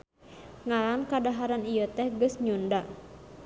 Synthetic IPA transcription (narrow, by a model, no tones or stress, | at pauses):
ŋalankadaɦaɾanijət̪ɛhɡəsɲunda